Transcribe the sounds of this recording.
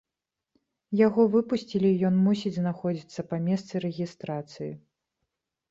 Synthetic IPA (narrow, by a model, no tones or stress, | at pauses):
jaɣɔvɨpusʲt͡sʲilʲijɔnmus̬ʲid͡zʲznaxɔd͡zʲit̪sːɐpamʲɛst̪sɨɾɛɣʲist̪ɾat̪sɨjḭ